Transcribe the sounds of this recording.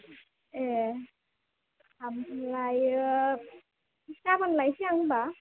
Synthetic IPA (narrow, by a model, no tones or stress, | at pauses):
ɛ | kʰamlaj | itabanlajsiaŋba